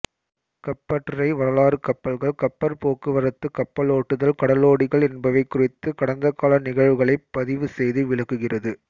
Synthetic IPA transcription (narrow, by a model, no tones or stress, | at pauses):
kɐpːɐʈːɐɾɐɪʋɐɾɐlaːɾɯkɐpːɐlɣɐɭkɐpːɐɾpoːkːɯʋɐɾɐt̪ːɯkɐpːɐloːʈːɯðɐlkɐɽɐloːɽɪɣɐɭɛnbɐʋɐɪkːʊrɪt̪ːɯkɐɽɐnd̪ɐkːaːlɐnɪɣɐɻʋɯɣɐɭɐɪpːɐðɪʋɯsɛjðɯʋɪɭɐkːɯɣɪrɐðɯ